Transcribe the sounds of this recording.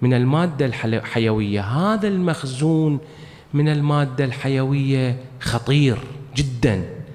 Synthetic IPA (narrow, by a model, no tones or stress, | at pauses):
mɪnɪlmaːd̪ːalħħajawɪjːaɦaːðalmaxzuːn | mɪnɪlmaːd̪ːalħajawɪjːaxɑt̪ˤiːɾd͡ʒɪd̪ːan